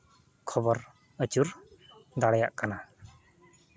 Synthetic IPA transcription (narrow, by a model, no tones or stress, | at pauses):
kʰɔbɔɾ | ət͡ʃuɾd̪aɽɛjaʔkana